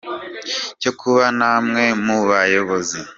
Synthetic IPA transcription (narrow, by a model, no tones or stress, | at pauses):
co̞kʰuβanamŋe̞muβajo̞βo̞zi